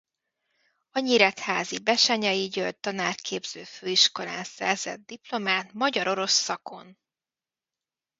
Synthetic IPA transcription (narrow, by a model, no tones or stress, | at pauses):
ɒɲiɾɛt̪haːzibɛʃɛɲɛjiɟøltt̪ːɒnaːrkʰeːbz̥øːføːiʃko̞la̰ːnsɛrzɛ̰d̪̚ːiplo̞maːt̪mɒɟɒɾo̞ɾo̞sːɒko̞n